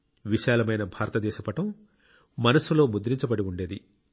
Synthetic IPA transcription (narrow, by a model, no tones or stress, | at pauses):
ʋiʃaːlɐmɐjnɐbʱaːɾɐt̪ɐd̪ɛːʃɐpɐʈɐm | mɐnɐsulo̞ːmud̪ɾiɲt͡ʃɐbɐɽiuɳɖe̞ːd̪i